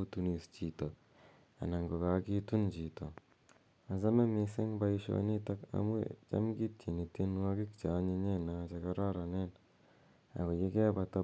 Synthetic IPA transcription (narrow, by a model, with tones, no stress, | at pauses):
u˦tu˦ni˨st͡ʃi˨to˨ | a̰˨na˨ŋɡo˨ka˦ki˦tu˦nt͡ʃi˨to˨ | a˨za˦me˦mi˦se˦ŋba˦i˦ʃo̰˨ni˦ta˦ka̰˦mṵ˦t͡ʃa̰˦mɡi˦tt͡ʃi˨ni˨te˦n˦a˦ki˦kt͡ʃa˨˦ɲe˦ɲe˦na˨t͡ʃa˦ka˦ɾa˦ɾa˨ne˦n | a̰˨ko˨je˦kɛ˦ba˨ta˦